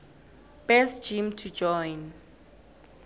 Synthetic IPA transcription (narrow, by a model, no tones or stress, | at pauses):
b̥ɛsd͡ʒimtʰud͡ʒɔjn